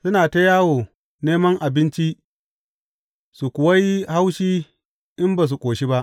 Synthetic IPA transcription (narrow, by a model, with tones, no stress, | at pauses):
sʊ˦naː˨ta˦jaː˦woː˨ | neː˦mɐ˦ŋʔa˨bɪ˦nt͡ʃi˦ | su˨kʷʊ˨wa˦ji˦ha˦wʃiː˦ | ʔɪ˦mbaː˨s̬u˨kʷʼoː˨ʃi˦ba˦ʔ